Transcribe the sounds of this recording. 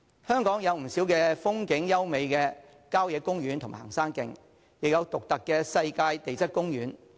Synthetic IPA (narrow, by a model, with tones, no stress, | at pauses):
hœː˥ŋkɔː˨˥ŋjɐ˨˧wm̩˨˩si˨˥wkɛː˧fʊ˥ŋkɪ˨˥ŋjɐ˥wme˨jkɛː˧ | kaː˥wjɛː˨˧kʊ˥ŋjyː˨˥nt̪ʰʊ˨˩ha̰ː˨˩ŋsaː˥ŋkɪ˨ŋ | jɪ˨k̚jɐ˨˧wt̪ʊ˨k̚t̪ɐ˨kːɛː˧sɐ˧jkaː˧jt̪e˨jt͡sɐ˥t̚kʊ˥ŋjyː˨˥n